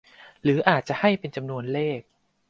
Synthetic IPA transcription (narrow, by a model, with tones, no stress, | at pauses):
ɾɯː˩˦ʔaː˨˩t̪̚t͡ɕa˨˩ʔha˥˩jpe˧nt͡ɕa˧mnu˧ənleː˥˩k̚